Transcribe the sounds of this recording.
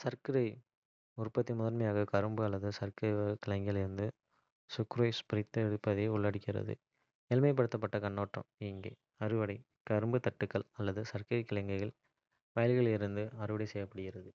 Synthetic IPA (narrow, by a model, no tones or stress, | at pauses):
sɐɾkɯɾɐɪ | ʊrpɐt̪ːimʊðɐɾmɐjaːɣɐkɐɾɯmbɯɐlːɐðɯsɐɾkɐɪɐkɪlɐŋɡɪɐlɪɾɯnd̪ɯ | sʊkɾoːjspɪɾɐɪt̪ːɐɛɽɯpːɐðeːʊɭːɐɽɯkːɪɾɐ̰ðɯ̰ | ɛlmɐɪp̬ːɐɽɯt̪ːɐp̬ːɐʈːɐkɐɳːoːʈrɐ̰mɪŋɡḛː | ɐɾɯʋɐɽɐɪ | kɐɾɯmbɯt̪ɐʈːɯkːɐɭɐlːɐðɯsɐɾkɐɾɐɪkːɪlɐŋɡɐɪɣɐɭ | ʋɐːlɣɐɭɪɾɯnd̪ɯɐɾɯʋɐɽɐɪsɛjːɐpːɐɽɯɣɪrɐðɯ